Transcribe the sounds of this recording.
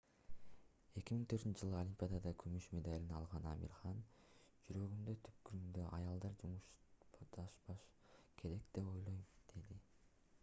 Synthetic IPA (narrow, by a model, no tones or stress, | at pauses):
e̞kʲimiŋt̪ʰøt̪ynt͡ʃʰːʒɯlˠɯo̞lʲimpʲijad̪ɑd̪ɑkʰymyʃme̞d̪alʲinɑlˠʁɑnɑmḭɾχɑnd͡ʒyɾø̞ɡynd̪øt̪ʰy̥p̚kyɾymd̪ø̞ʔɑjɑlˠd̪ɑɾd͡ʒumuʃd̪ɑʃbɑʃ | kʰe̞ɾe̞kd̪̥e̞po̞jlˠo̞jmd̪̥e̞d̪i